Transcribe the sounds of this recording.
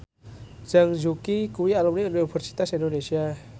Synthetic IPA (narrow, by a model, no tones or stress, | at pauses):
zəŋzukikuɾialumninpʰəɾsi̥t̪asindonesia